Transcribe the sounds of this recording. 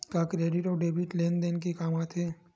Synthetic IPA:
kakɾeːɖɪʈɔːɖeːbiʈleːnd̪enkikaːmat̪ʰɦeː

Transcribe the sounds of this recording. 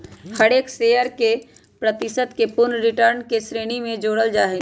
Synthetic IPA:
hɐɽeːkseːəɾke | pɾət̪ɪsəd̪kepʊnɾɪʈəɾnkesɾeːɽ̃imẽd͡ʒoːɽəld͡ʒaːɦe

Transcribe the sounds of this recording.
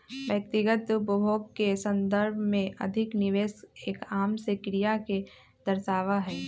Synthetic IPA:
ʋjək̚t̪ɪɡət̪ʊpəbʱoːɡ̚kesə̃nd̪əɾbʱmẽʔɐ̰d̪ʱɪknɪʋeːseːkaːmsekɾijake | d̪̥ɐɾʃaːʋaɦɛː

